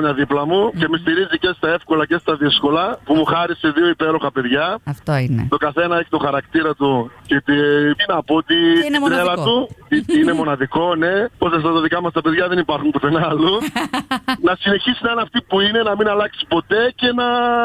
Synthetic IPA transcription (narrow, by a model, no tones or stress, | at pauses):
ɲɐðiplɐmuce̞mist̪iɾizice̞st̪ɐe̞fko̞lɐce̞st̪ɐðisko̞lɐpumuxɐɾiseðio̞ipe̞ɾo̞xɐpe̞ðʝɐft̪oin̰t̪o̞kɐθe̞nɐeçi̥t̪oxɐɾɐkt̪iɾɐt̪ucet̪iinɐpot̪it̪it̪ɾelɐt̪uinemo̞nɐðiko̞ne̞pos̬es̬t̪ɐt̪ɐðikɐmɐst̪ɐpeðʝɐðe̞nipɐɾxumpot̪enɐlu | nɐsine̞çisinɐnɐft̪ipuine̞nɐminɐlɐksi̥po̞t̪e̞ce̞nɐ